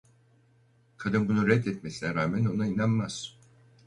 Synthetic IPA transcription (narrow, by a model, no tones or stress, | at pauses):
kʰad̪ɯnbunuɾɛd̪ɛt̪me̞sinɛɾaːmæno̞nainanmaz̥